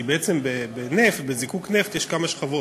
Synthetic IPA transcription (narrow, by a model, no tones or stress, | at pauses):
ibeet͡se̞mbebenefbe̞zikukneft̪jeʃkamaʃχavo